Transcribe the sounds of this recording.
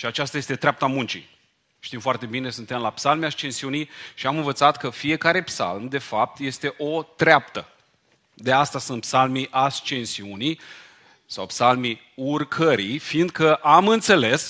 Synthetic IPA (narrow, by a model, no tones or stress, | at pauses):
ʃiat͡ʃast̪aje̞st̪e̞t̪ɾʲeap̚t̪amunt͡ʃḭ | t̪imfoart̪e̞bine̞sunt̪e̞mlapsalmast͡ʃe̞nsiunijʃiamɨnvət̪sat̪kəfie̞kaɾe̞psa̰lmd̪e̞fap̚t̪je̞st̪e̞ʔo̞t̪ɾeap̚t̪ə | d̪east̪asunt̪psalmiʔast͡ʃe̞nsiunij | sawpsalmi | urkʰəɾijfiːnd̪̚kəʔamɨnt̪se̞le̞s